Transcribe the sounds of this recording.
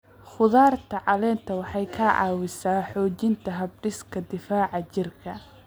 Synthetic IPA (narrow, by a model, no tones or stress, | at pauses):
χʊðaːrt̪ʰɐʕɑlɛːnt̪ʰɐwɑħɑjkʰɐʕɑ̰ːwɪsaːħɔːt͡ʃɪnt̪ʰɐɦɐb̚ɖɪskʰɐd̪ɪfaːʕɑt͡ʃɪrkʰɐ